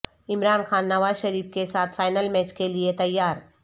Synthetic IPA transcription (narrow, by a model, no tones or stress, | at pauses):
ɪmɾaːnxʰaːnːɐʋaːzʃɐɾiːbkesaːt̪ʰfaːɪnəlmɛːt͡ʃkeliet̪ɐjːaːɾ